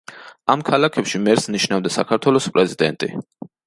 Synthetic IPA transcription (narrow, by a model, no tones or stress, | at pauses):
amkʰalakʰɛpʃimɛɾsniʃnavd̪asakʰaɾt̪ʰwɛlˠɔspʼɾɛzid̪ɛnt̪ʼḭ